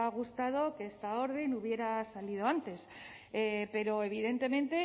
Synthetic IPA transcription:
aɣ̞ust̪að̞o̞keest̪ao̞ɾð̞e̞nuβ̞je̞ɾasalið̞o̞ant̪e̞s | epe̞ɾo̞e̞β̞iðe̞nt̪e̞mẽ̞nt̪e̞

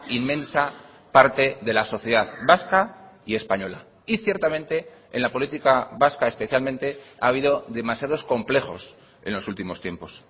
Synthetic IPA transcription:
imːẽ̞nsa | paɾt̪e̞ðe̞laso̞θjeðaðbaskaie̞spaɲo̞la | iθje̞ɾt̪amẽ̞nt̪e̞ːnlapo̞lit̪ikaβaskae̞spe̞θjalmẽnt̪e̞aːβ̞iðo̞ðe̞masjað̞o̞sko̞mple̞xo̞̰s | e̞̰nlo̞sult̪imo̞st̪je̞mpo̞s

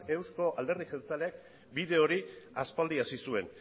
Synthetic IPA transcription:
e̞wsko̞ʔald̪e̞rðise̞nt͡salek̚ | biðe̞o̞ɾiaspald̪iasisue̞n

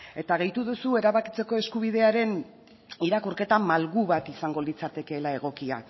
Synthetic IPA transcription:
e̞t̪aɣe̞jt̪uðusue̞ɾaβakit͡se̞ko̞e̞skuβ̞iðe̞aɾe̞n | iɾakuɾke̞t̪amalɣuβat̪isaŋɡo̞lit͡sat̪e̞ke̞ːlae̞ɣ̞o̞kia̰

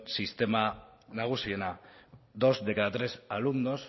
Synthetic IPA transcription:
sist̪e̞manaɣ̞usie̞naðo̞zdekaðat̪ɾe̞salund̪o̞s

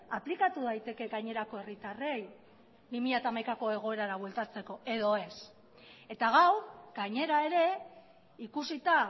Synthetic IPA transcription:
aplikat̪uð̞ajt̪e̞ke̞ɣajɲe̞ɾako̞e̞rit̪are̞j | bimiʎat̪amajkako̞e̞ɣ̞o̞e̞ɾaɾaβwe̞lt̪at͡se̞ko̞e̞ðo̞e̞s | e̞t̪aɣawɡaɲe̞ɾae̞ɾe̞ | ikusit̪a

